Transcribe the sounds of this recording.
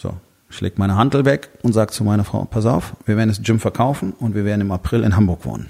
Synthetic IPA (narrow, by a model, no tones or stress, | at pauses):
z̥o̰ː | çlʔɛ̰ːktmaɪnəɦandl̩vɛkʊntz̥aːɡət͡sumaɪnɐfʁ̥a̰ʊpʰastaʊfv̥iːɐveːɐdnɛsd͡ʒɪmfɛɐkʰaʊfn̩ʊntv̥iɐveːɐdn̩ɪmapʁ̥ɪlɪ̰nɦambʊɐkv̥o̰ːnən